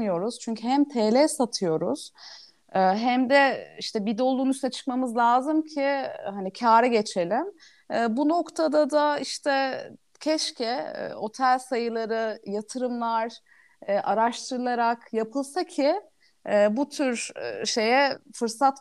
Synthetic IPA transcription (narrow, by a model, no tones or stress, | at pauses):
ɯjo̞ɾuz̥t͡ʃʰyɲcʰyɦæmt̪ʰeːlʲɛsat̪ʰɯjo̞ɾuz̥ | ɦæmd̪ɛiʃt̪ʰɛbid̪o̞lˠunyst̪ʰɛt͡ʃʰɯ̥kmamɯzlʲaːzɯmcʰihanicʰaːɾɛɟe̞t͡ʃʰe̞lʲimː | buno̞kt̪ʰad̪ad̪aiʃt̪ʰɛ | cʰɛʃcʰɛ̰o̞t̪ʰælʲsajɯlˠaɾɯjat̪ʰɯɾɯmlˠaɾ | ʔaɾaʃt̪ʰɯɾɯlˠaɾakjapʰɯlˠsacʰiː | but̪ʰyɾʃe̞jɛfɯɾsat̪